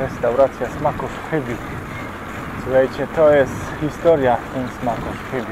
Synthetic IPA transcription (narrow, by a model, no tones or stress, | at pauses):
ɾɛst̪awɾat̪sʲjasmakɔʂxʰebʲju | svajt͡ɕɛt̪ɔjɛst̪xist̪ɔɾjaɛnsmakɔʂxebʲ